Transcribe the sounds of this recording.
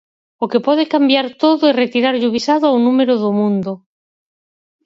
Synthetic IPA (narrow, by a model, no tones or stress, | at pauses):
okepoð̞ekambjaɾt̪oðoeret̪iɾaɾʎuβisaðoaunumeɾoðomũnd̪o